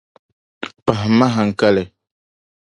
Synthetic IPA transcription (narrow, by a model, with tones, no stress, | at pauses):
pa˨ɦma˦ɦa˨ŋ̩˦˨ka˦lɛ˨